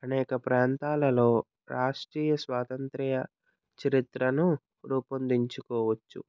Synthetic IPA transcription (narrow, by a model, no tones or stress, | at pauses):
ɐnɛːkɐpɾaːnt̪aːlɐlo̞ː | ɾaːʂʈɾiːjɐsʋaːt̪ɐnt̪ɾɛjɐ | t͡ʃɐɾit̪ɾɐnu | ɾuːpɐnd̪iɲt͡ʃukɔːʋɐt͡ʃːṵ